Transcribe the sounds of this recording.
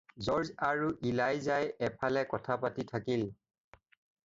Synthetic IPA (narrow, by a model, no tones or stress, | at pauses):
zɔɹzaɹuʔilajzajɛpʰalɛkɔtʰapatitʰakil